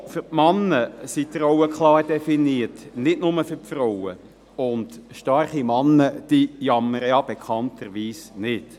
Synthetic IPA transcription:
fʏpmɑnːəsit̪rɔwəkχlɑːɾd̥ɛfiniːətnɪdnʊməfʏɾpfrɔwə̰ | ʊndʃtɑɾχimɑnːəd̥ijɑmːəɾəjɑb̥ekʰχɑntʰəɾʋiːsnɪt

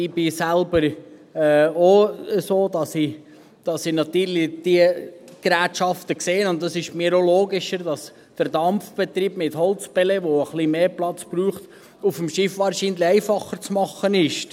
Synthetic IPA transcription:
ɪbɪsælbəɾɛːoəsoːdɑsi | d̥ɑsɪnɑt̪yːɾlid̥iəɡ̥ɾæːtʃɑft̪əkseːənʊnttːɑsɪʃmiɾoloːɡɪʃəɾdɑs | d̥əɾdɑmfb̥ɛt̪ɾiːbmɪthɔlt͡sbɛlɛʋoəχlimeːplɑt͡sb̥ɾuːχt̪ | ufəmʃɪfʋɑːɾʃiːnliɛɪfɑχəɾt͡smɑχənɪʃ

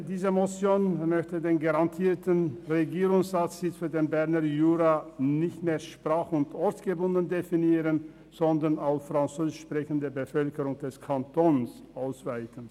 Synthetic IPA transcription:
diːzəmot͡sjoːnmœçtədeːnɡaʁantʰiːɐtənʁeɡiːʁʊŋszat͡sɪt͡sfyːɐdeːnbɛɐnɐjuːʁanɪçtmeːɐʃpʁ̥aːχʊntʔɔɐtɡ̥ebʊndən̩definiːʁən | z̥ɔndɐnaʊffʁ̥ant͡søːzɪʃpʁ̥ɛçən̩dəbəfœlkəʁʊŋd̥ɛskʰantʰɔns | ʔaʊsv̥aɪtən̩

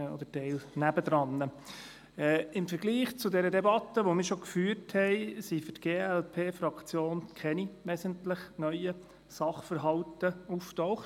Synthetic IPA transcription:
ɔ̰d̪ətɛɪlnæb̥əd̪ɾɑnːə | ɛɪmfəɾɡ̥liːχt͡sʊdɛɾədɛbɑt̪ːəʋomɪːɾʃoɔkfyːrthɛɪsifʏtɡ̥eːɛlpʰeːfɾɑkt͡sjoːnkʰɛniʋɛsəntlɪχnœʏə | sɑχfərɦɑwt̪əuftɔʊχt

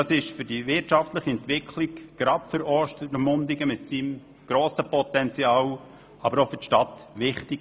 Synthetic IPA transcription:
ɑsɪʃfʏɾd̥iʋɪtt͡ʃɑftləχiɛnt̪ʋɪkʰlɪkɡ̥ɾɑpfəɾɔʃtəɾmʊnd̪ɪɡəmɪtsiːm | ɡ̥ɾɔːsəpɔt̪ɛnt͡siɑːw | ɑbəɾofʏɾtʃtɑtʋɪχtɪɡ

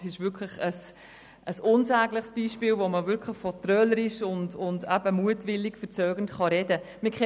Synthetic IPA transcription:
sɪʃʋʏɾkʰləχəs | ʔəsʊnsæːɡləχsb̥iːʃpiːlʋoməvʏɾkʰləχfɔtɾœləɾɪʃʊndʊndæb̥əmuətʋɪlːɪkfəɾt͡sœːɡ̥əntχɑɾɛdəmɪkχɛ

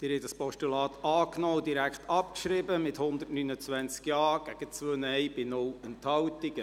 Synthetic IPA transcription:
d̥ɪːɾhɛtdəspɔʃtulɑːtɑːknɔːdiɾækχt̪ɑpkʃɾɪbəmɪthʊnd̪ətnynət͡sʋɛnt͡skjɑːɡ̥æɡ̥ət͡sʋøːnɛjb̥ɪnʊlənt̪hɑwt̪iɡə

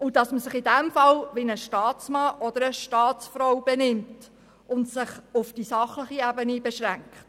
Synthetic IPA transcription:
ʊdɑsməsɪχidæmfɑlʋɪnəʃtɑːtt͡smɑʔɔd̪əɾəʃtɑːtt͡sfɾɔwbɛnɪmt | ʊntsɪχʊfd̥isɑχləχiɛbənibɛʃɾæŋkχt

